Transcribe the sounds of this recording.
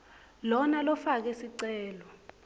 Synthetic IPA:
lɔnalɔfak̬ɛsiǀɛːlɔ

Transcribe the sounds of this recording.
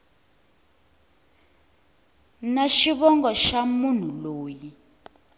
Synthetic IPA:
naʃiβɔŋɡɔʃamun̤uloːji

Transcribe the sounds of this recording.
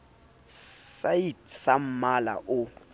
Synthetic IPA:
sajitsam̩mala̰ʔʊ

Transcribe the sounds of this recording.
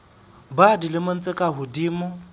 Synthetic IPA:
badilɪmʊn̩t͡sʼɪkʼaɦʊdiːmʊ

